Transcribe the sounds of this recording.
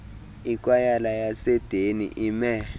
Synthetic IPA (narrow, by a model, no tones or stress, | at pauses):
ik̬wajalajasɛd̥ʱenḭʔimɛ